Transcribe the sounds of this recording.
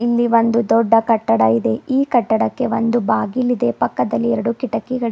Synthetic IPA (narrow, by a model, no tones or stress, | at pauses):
ilːiʋo̞nd̪ud̪ɔɖːɐkɐʈːɐɽɐid̪e̞iːkɐʈːɐɽɐkːe̞ʋo̞nd̪ubaːɡilid̪e̞pɐkːɐd̪ɐlːiɛɾɐɽukiʈɐkːiɡɐɭ